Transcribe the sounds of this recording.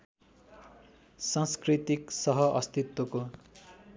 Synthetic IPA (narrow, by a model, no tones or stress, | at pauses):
sãnskrit̪iksʌɦʌʔʌst̪it̪woko